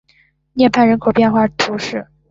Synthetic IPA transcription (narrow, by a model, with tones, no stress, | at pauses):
njɛ˥˧npʰa˥˩nɻə˧˥nkʰo˨˩ʊpjɛ˥˧nxwa˥˩t̪ʰu˧˥ʂɻ̩˥˩